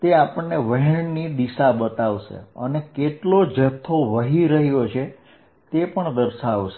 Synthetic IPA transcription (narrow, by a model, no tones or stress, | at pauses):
t̪eapəɳːeʋəɦɛɳnid̪iʃabət̪aʋʃḛə̰nekeʈlod͡ʒət̪ʰːoʋəɦiɾəɦjot͡ʃʰe | t̪epəɳd̪əɾʃaʋʃe